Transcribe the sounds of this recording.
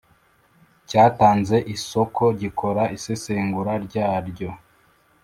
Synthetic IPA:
caːtaːnze̞ʔiso̞kʰo̞ɟikʰo̞ɾaiseseːŋɡuɾaɾɟaːɾɟo̞

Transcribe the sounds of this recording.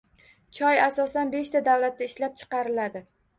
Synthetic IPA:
t͡ʃʰɒjasɒsanbe̞ʃt̪ad̪awlat̪ːaɪʃlap̚t͡ʃʰɨ̥qɑɾɪlad̪ɪ

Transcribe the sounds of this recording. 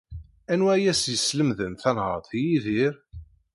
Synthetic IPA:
ænwæjæsjəsləmðənθænhəðˤθjiðiɾ

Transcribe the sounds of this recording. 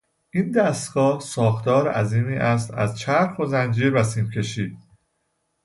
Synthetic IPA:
ʔiːnd̪æst̪ɡ̥ɒːhsɒːxt̪ɒːɾʔæziːmiːʔæs̬t̪æ̰zt͡ʃʰæɾxozænd͡ʒiːɾbæsiːmcʲʰe̞ʃiːd̪̥

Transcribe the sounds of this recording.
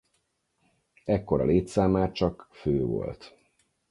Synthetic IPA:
ɛkːo̞ɾɒ̰leːt̪saːmaːt͡ʃɒkføːvo̞̰lt̪

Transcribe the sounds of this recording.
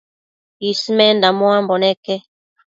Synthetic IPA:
ismɛndamwambɔnɛkɛ

